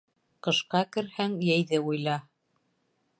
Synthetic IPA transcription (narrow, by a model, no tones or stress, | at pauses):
qɤ̆ʃqɑkɘ̆ɾhæŋjæjðɘujlˠɑ